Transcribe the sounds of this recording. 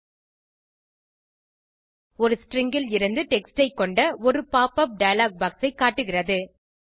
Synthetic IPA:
ɔɾɯsʈrɪŋɡɪlɪɾɯnd̪ɯʈɛksʈɐɪkːɔɳɖɐɔɾɯpaːpɐp̚ɖɐjɐlaːk̚baːksɐɪkːaːʈːɯɣɪrɐðɯ

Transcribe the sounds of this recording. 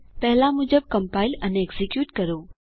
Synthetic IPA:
pɛɦɪlamʊ̃ːd͡ʑəb̚kɐ̃mpaːɪlɛnẽːɡzikjuːʈkɐɾoː

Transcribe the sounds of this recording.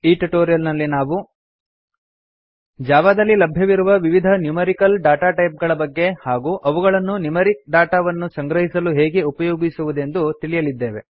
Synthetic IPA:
iːʈuʈoːɾijɐlnɐlːinaːʋu | d͡ʒaːʋad̪ɐlːilɐbʱjɐʋiɾuʋɐʋiʋid̪ʱɐnjumɐɾikɐlɖaːʈaːʈɐjp̚ɡɐɭɐbɐɡːe̞haːɡuːʔɐʋuɡɐɭɐnːunjumɐɾik̚ɖaːʈaːʋɐnːusɐŋɡɾɐɦisɐluɦeːɡeupɐjoːɡisuʋud̪e̞nd̪ut̪iɭijɐlid̪ːe̞ːʋe̞̰

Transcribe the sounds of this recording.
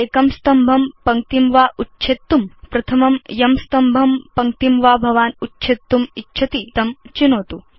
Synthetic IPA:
eːkɐmst̪ɐmbʱɐmpɐŋk̚t̪imʋaːʔutːʃʰet̪ːumpɾɐt̪ʰɐmɐmjɐmst̪ɐmbʱɐmpɐŋkt̪imʋaːbʱɐʋaːnutːʃʰet̪ːumitːt͡ʃʰɐt̪it̪ɐmt͡ʃinoːt̪u

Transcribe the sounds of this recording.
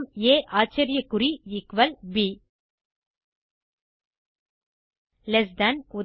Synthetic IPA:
meːʔaːt͡ʃːɐɾɪjɐkːʊɾiɪkʋɐlbi | lɛsd̪ɐnku

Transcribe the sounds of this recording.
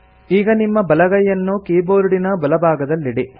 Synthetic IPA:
iːɡɐnimːɐbɐlɐɡɐjːɐnːukiːboːɾuɽinɐbɐlɐbʱaːɡɐd̪ɐlːiɽi

